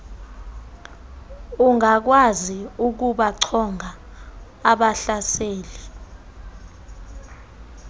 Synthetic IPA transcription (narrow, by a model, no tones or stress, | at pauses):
uŋʱak̬waziuk̬uɓaǀʰɔŋʱaː | ɓaɬaseːli